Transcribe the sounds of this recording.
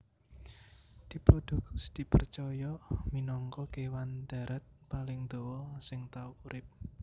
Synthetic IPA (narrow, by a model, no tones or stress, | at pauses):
d̪̥i̤plod̥o̤ɡʊ̥sd̪̥i̤pərt͡ʃɔjɔminɔŋkɔkewand̪̥a̤ɾʔat̪̚palɪŋd̪̥owɔsɪŋt̪aukuɾʔɪp̚